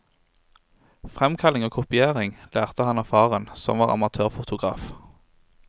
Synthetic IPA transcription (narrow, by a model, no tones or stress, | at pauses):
fʁɛmkʰɑlɪŋoːkʰʊpɪeːʁɪŋlæːʁt̪əhɑnɑfɑːʁənsɔ̰mʋɑːʁɑ̰mɑt̪ʰøːʁfʊt̪ʰʊɡʁɑ̰ːf